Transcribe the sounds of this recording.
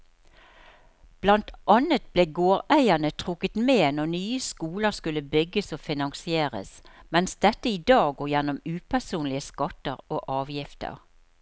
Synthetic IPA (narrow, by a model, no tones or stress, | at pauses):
b̥lɑnt̪ʔɑnət̪̚bleːɡoːʁæɪənət̪ʰʁʊkət̪meːnɔʁnyːəskuːləskʉlːəbʏɡəsoːfɪnɑŋsɪeːʁə̰smɛnsd̪ɛt̪ːəiːd̪ɑːɡɡoːjɛnɔmʉːpʰæsuːnlɪəskɑt̪əʁoːʔɑːʋjɪft̪ə̰ʁ